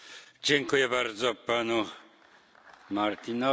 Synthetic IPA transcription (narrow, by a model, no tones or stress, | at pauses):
d͡ʒɛŋkujɛbaɾd̪zɔapːano | maɾt̪inɔ